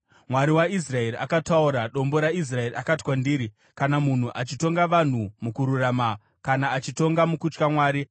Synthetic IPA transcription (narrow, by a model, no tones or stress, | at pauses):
mwaɾiwais̬rae̞ɾia̰katauɾaɗo̞mbo̞ɾais̬rae̞iʔakatwandiːɾi | kanamun̤uʔat͡ʃito̞ŋɡaʋan̤umukuɾurama | kanaːt͡ʃito̞ŋɡamukut͡ʃkamwaːɾi